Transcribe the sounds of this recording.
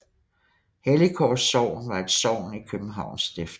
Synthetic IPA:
helikʰɒːsɒʊ̰nʋɑ̈e̝d̥sɒʊ̰nikʰøb̥n̩ɦɑ̈ʊ̰nsd̥efd̥

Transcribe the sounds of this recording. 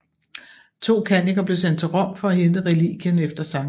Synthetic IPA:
t͡sʰo̝̰ːkʰæniɡ̥ɐb̥le̝send̥̚t͡sʰe̝lʁɒ̽m̰fɒ̽æɦend̥əʁɛlḭɡ̥jənefd̥ɐsɑ̈m

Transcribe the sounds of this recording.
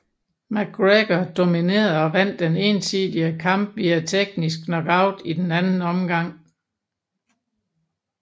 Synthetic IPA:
mæɡ̥ʁeɡ̥ɐd̥o̝mine̝̰ːɐð̩ˠɒ̽ʋæn̰d̥ːene̝ːnsiðdˠiəkʰɑ̈m̰b̥ʋiæt͡sʰeɡ̥nis̬ɡ̥nɒ̽ɡ̥ɑ̈ʊ̰d̥id̥enænn̩ɒ̽mɡ̥ɑ̈ŋ̰

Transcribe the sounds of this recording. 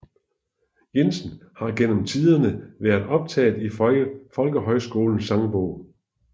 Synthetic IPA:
je̝nsn̩hɑ̈ɡ̥en̰m̩t͡sʰiːð̞ˠɐnəʋæːɐðˠɒ̽b̥̚t͡sʰɛ̰ːð̩ˠifɒ̽lɡ̥əɦɒ̽ɪsɡ̥o̝̰ːln̩sɑ̈ŋb̥ɔ̰ʊ̰

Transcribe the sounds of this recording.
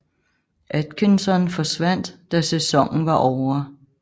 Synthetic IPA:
ʔæd̥kʰensɒnfɒ̽sʋæn̰d̥ːd̥æsesɒ̽ŋ̰n̩ʋɑ̈ʔɒʊɐ

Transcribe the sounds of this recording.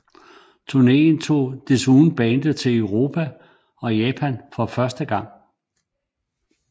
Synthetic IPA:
t͡sʰuɐne̝̰ːn̩t͡sʰo̝̰ːd̥esuːn̩b̥ɛːnd̥ət͡sʰe̝ləʊʁo̝ːpʰæ | ɒ̽jɛːpʰænfɒ̽fɶɐsd̥əɡ̥ɑ̈ŋ̰

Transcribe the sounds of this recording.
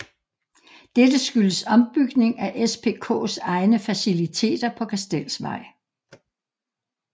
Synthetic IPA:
d̥ed̥əsɡ̥yləsɒ̽mb̥yɡ̥ne̝ŋæʔespʰe̝̰ːkʰɔ̰̽ːsɑ̈ɪnəfæsilit͡sʰe̝̰ːd̥ɐpʰɒ̽kʰæsd̥el̰sʋɑ̈ɪ̰

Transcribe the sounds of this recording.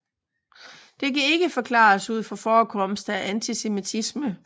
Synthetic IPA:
d̥e̝kæe̝ɡ̥əfɒ̽kʰlɑ̰̈ːsuð̞̰ˠfɒ̽fɒːkʰɒ̽msd̥æʔænt͡sʰisemit͡sʰismə

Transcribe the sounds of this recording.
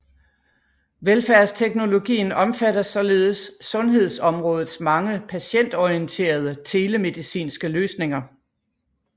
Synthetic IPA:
ʋelfæɐst͡sʰeɡ̥no̝lo̝ɡ̥ḭːn̩ɒ̽mfæɾɐsɒ̽le̝ːð̩ˠəsːɔ̽nɦe̝ð̞ˠsɒ̽mʁɔ̽ːð̩ˠsmɑ̈ŋəpʰæɕen̰d̥ɒiənt͡sʰe̝̰ːɐð̞ˠət͡sʰe̝ːləme̝ðˠisḭːnsɡ̥əløːsne̝ŋɐ

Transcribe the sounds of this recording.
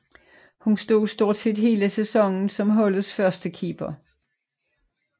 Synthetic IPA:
hunsd̥o̝ːsd̥o̝ɐ̰d̥se̝d̥he̝̰ːləsesɒ̽ŋn̩sɒ̽mɦɒ̽lð̩ˠsfɶɐsd̥əkʰiːb̥ɐ

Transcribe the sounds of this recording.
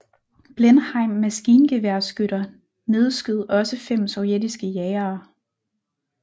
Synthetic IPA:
b̥lenhɑ̈ɪ̰mːæsɡ̥iːnɡ̥e̝ʋæɐ̰sɡ̥øɾ̥ɐ | ne̝ð̞ˠsɡ̥yð̞ˠɒ̽səfem̰sɒʊjed̥isɡ̥əjɛːɐː

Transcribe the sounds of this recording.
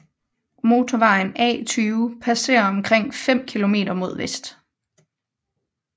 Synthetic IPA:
mo̝ːt͡sʰɒʋɑ̈ɪnɛ̰ːt͡sʰyːpʰæse̝̰ːɐɒ̽mkʰʁeŋ̰fem̰kʰilo̝me̝̰ːɾ̥ɐmo̝ð̞̰ˠʋesd̥

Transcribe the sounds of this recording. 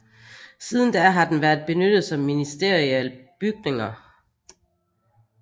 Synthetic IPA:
siːð̞ˠn̩d̥æɐɦɑ̈d̥enʋæɐð̥̚ˠb̥e̝nød̥ð̩ˠsɒ̽mːinisd̥e̝ɐ̰ʁiɛlb̥yɡ̥̚ne̝ŋɐ

